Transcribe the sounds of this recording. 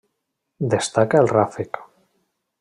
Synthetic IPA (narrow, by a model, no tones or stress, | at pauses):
d̪est̪akaelrafek